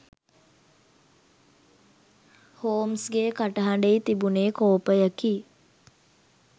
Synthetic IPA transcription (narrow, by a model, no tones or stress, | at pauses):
hoːmsɡeːkaʈəɦaɳɖeit̪ibuneːkoːpəjəki